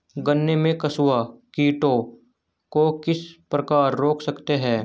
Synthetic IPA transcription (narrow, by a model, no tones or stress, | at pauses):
ɡənːemẽkɐsʊakiːʈo | kokɪspɾɐkaːɾːoːkʰsɐkt̪eɦɛ̃ː